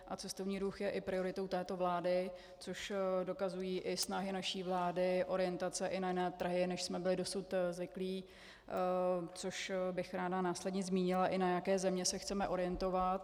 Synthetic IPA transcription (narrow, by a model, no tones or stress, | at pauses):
ʔat͡sɛst̪o̞vɲiːɾuxjɛʔɪpɾɪo̞ɾɪt̪owt̪ɛːt̪o̞vlaːdɪ | t͡soʃdo̞kazujiːʔɪsnaɦɪnaʃiːvlaːdɪʔo̞ɾɪjɛnt̪at͡sɛʔɪnajɪnɛːt̪r̩ɦɪnɛʃsmɛbɪlɪdo̞sut̪zvɪkliː | t͡soʃbɪxɾaːdanaːslɛdɲɛzmiːɲɪlaʔɪnajakɛːzɛmɲɛsɛxt͡sɛmɛʔo̞ɾɪjɛnt̪o̞vat̪